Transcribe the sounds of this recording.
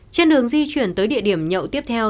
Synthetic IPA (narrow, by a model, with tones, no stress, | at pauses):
t͡ɕe˧nɗɨ˨˩əŋzi˧t͡ɕwi˧˩ənt̪əː˨˦jɗḭ˧˨əɗi˧˩əmɲə̰˧˨wt̪i˦˥əp̚t̪ʰɛ˧w